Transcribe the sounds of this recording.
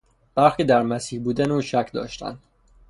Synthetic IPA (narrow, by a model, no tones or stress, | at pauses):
b̥æɾxiːd̪æɾmæsiːhbuːd̪ænuːʃæcʰd̪ɒ̰ːʃt̪ʰæ̰nd̪̥